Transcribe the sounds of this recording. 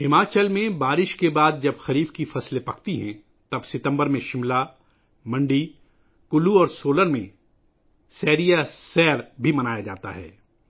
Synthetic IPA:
hɪmaːt͡ʃəlmẽbaːɾɪʃkebaːd̪̚d͡ʒɐbxɐɾiːbkifɐslepɐkʰt̪iɦɛ̃ | t̪ɐbsɪt̪ə̃mbəɾmẽʃɪmla | mɐ̃ɳɖi | kʊluɔːɾsoːləɾmẽ | sɛːɾijasɛːɾbʱimɐnaːjad͡ʒa̰ːt̪a̰ɦɛ̰ː

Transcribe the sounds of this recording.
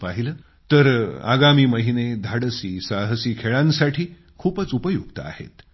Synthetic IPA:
paɦiləː | t̪əɾa̰ɡamiːməɦined̪ʱaɽəsiːsaɦəsiːkʰeɭãnsaʈʰiː | kʰuːpət͡supəjuɡt̪əa̰hḛt̪

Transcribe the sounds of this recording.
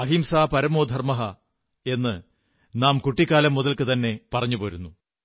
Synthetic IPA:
ɐɦimsaːpɐɾɐmoːd̪ʱɐrmɐɦɐ | e̞nːɨ | naːmkuʈːikːaːlɐmːuðɐlkɨt̪ɐnːe̞pɐrɐɲːupoːɾunːu

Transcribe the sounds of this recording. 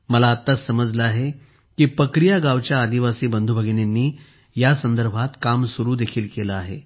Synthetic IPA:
məlaːt̪ːasəməd͡zʱləaɦe | kiːpɾəkɾijaɡaʋt͡ɕjaːd̪iʋasiːbənd̪ʱubʱəɡenjanːiː | jasənd̪əɾbʱat̪kamsuɾuːd̪ekʰiːlkeləaɦe

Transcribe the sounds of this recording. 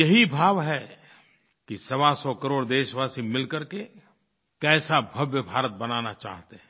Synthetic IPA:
jɐɦibʱaːʋɦɛ | kisɐʋasɔkɐɾoːɽd̪eːʃʋaːsimɪlkɐɾke | kɛːsabʱɐbjəbʱaːɾət̪̚bɐnaːnat͡ʃa̰ːɦt̪eɦɛ̃

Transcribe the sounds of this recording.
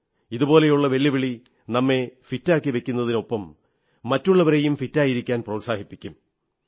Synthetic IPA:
iðubo̞ːle̞juɭːɐʋe̞lːiʋiɭi | nɐmːe̞fitːaːkːiʋe̞kʲːunːɐðino̞pːɐmː | ɐtːuɭːɐʋɐɾejumfitːaːjiɾikʲːaːnprɐːsaːhipːikʲːum

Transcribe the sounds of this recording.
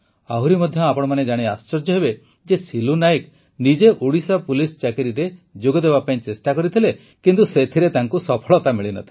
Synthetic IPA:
aɦuɾimɔd̪ʱjɔapɔɽ̃ɔmaned͡ʒaɽ̃iast͡ʃɔɾd͡ʒɔɦebe | d͡ʒesilunajk | nid͡ʒeʔuɽisɔpulisɔt͡ʃakiɾiɾed͡ʒoɡɔd̪eβapaĩt͡ʃesʈakɔɾit̪ʰile | kint̪uset̪ʰiɾet̪aŋkusɔpʰɔɭɔt̪amiɭinɔ̰t̪ʰi̥

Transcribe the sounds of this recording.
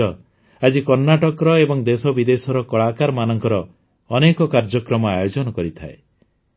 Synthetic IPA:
ɔ | ad͡ʒikɔɾnaʈɔkɔɾɔebɔŋd̪esɔbid̪esɔɾɔkɔɭakaɾmanɔŋkɔɾɔː | nekɔkaɾd͡ʒɔkɾɔmɔajod͡ʒɔnɔkɔɾit̪ʰae

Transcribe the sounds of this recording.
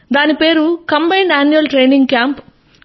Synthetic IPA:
d̪aːnipe̞ːɾukɐmbɐjɳɖaːnjuɐlʈɾeːjniŋɡkjaːmp

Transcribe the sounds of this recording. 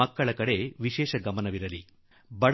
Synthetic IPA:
ɐkːɐɭɐkɐɽe̞ʋiʃɛːʃɐɡɐmɐnɐʋiɾɐli | bɐɽ

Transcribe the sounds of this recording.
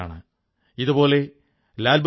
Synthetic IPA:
a̰ːɳɨ | iðubo̞ːle̞ | laːlb

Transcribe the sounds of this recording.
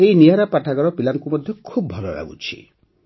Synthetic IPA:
einiaɾapaʈʰaɡɔɾɔpilanɔkumɔd̪ʱjɔkʰubbʱɔlɔ̰ɾa̰ɡṵt͡ʃʰḭ

